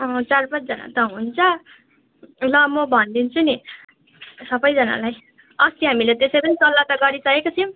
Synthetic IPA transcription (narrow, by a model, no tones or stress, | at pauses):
ʌ̃t͡sarpʌt͡sd͡zʌna̰t̪ʌɦunt͡sʰʌ | lʌmʌbʱʌnd̪int͡sʰuni | sʌbʌjd͡zʌna̰laj | ʌst̪iɦamilet̪esʌjpʌnit̪ʌlːat̪ʌɡʌɾisʌekot͡sʰʌ̃